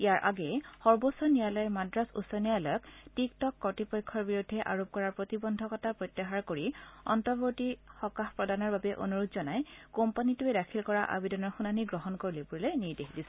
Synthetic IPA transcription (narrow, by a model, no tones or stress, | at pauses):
ijaɹʔa̰ɡɛxɔɹbosɔnialɔjɛmadɹasṵsɔnialɔjɔktiktɔkːɔtipɔjkʰːɔɹbiɹudʱːɛʔa̰ɹop̚kɔɹaɹpɹotibɔndʱɔkɔtapɹojt̪ːaɦaɹkoɹiɔ̰ntɔbotixɔkaxpɹɔdanɔɹbabɛʔo̰nuɹutzɔnajkompanituɛdakʰilkɔɹaʔa̰bidɔnɔɹxunaniɡɹɔɦɔnkoɹilepuɹilɔjniɹdeɦdisɛ